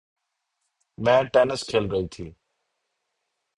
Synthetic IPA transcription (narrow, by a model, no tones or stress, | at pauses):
mɛ̃ːʈeːnəskʰeːlɾəit̪ʰiː